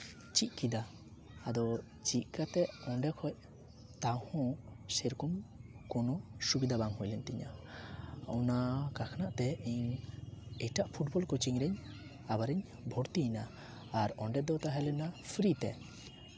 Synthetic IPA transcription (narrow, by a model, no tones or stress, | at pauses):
t͡ʃic̪̚ˀkid̪aː | d̪ɔ | t͡ʃic̪̚kat̪ɛɔɳɖɛkʰɔc̚ | t̪ahɔ̃seɾkumkɔnɔsubid̪abaŋɦɔjlɛnt̪iɲa̰ | ɔ̰nakakʰanaʔt̪ɛiɲ | ɛʈaʔpʰuʈbɔlkɔt͡ʃiŋɾɛɲ | abaɾɛɲ | bʱɔɾt̪inaː | ɾɔɳɖɛd̪ɔt̪aɦɛlɛnapʰɾit̪ɛ̰